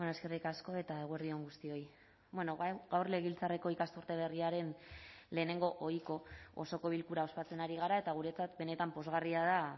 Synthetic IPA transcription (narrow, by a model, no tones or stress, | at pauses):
enoeske̞rikasko̞e̞t̪ae̞ɣue̞ɾðio̞ŋɡust̪io̞j | bwe̞no̞βajɣawrle̞ɣ̞ilt͡sareko̞ikast̪uɾt̪e̞β̞e̞riaɾe̞nle̞ːne̞ŋɡo̞ʔo̞jko̞oso̞ko̞βilkuɾao̞spat͡se̞naɾiɣ̞aɾae̞t̪aɣ̞uɾe̞t͡sat̪be̞ne̞t̪ampo̞zɣariað̞a